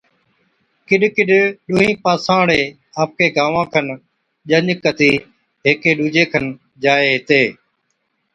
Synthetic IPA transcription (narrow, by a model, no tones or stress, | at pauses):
kɪɗkɪɗɗʊːɦĩːpaːsãːɽeː | aːp̚kʰeːɡaːʋãːkʰən | ʄəɲkət̪iː | ɦeːkeːɗuːd͡ʒeːkʰən | d͡ʒaːeːɦɪt̪eː